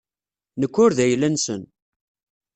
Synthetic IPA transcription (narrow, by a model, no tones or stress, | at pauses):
nəkːʊɾðæjlænsə̰n